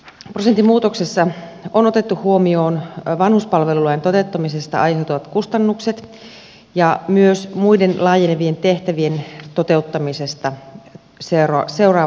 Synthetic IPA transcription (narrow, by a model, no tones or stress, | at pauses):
prosent̪ːimuːt̪oksesːɑono̞t̪e̞t̪ːuhuomio̞ːnʋɑnhuspɑlʋe̞lulojent̪o̞t̪e̞ut̪ːɑmise̞st̪ɑ̰ɑjɦe̞wt̪oʋɑt̪kust̪ɑnːukset̪ | jɑmyøsmuide̞nlɑːjeneʋie̞nt̪e̞ht̪æʋie̞nt̪ot̪e̞ut̪ːɑmise̞st̪ɑ | serse̞wrɑː